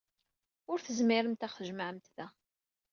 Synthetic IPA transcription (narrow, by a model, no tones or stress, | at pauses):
ʊɾθəzmɪɾəmt̪æχθəʒməʕəmt̪ðæ